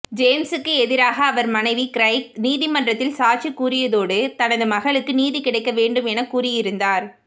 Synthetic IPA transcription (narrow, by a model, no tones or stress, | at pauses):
d͡ʒeːmsɯkːɯɛðɪɾaːɣɐːʋɐɾmɐnɐɪʋikɪɾɐɪkniːðimɐndrɐt̪ːɪlsaːt͡ʃikːuːɾɪjɐðoːɽɯt̪ɐnɐðɯmɐɣɐɭɯkːɯniːðikɪɽɐɪkːɐʋeːɳɖɯmɛnɐkːuːrɪjɪɾɯnd̪aːɾ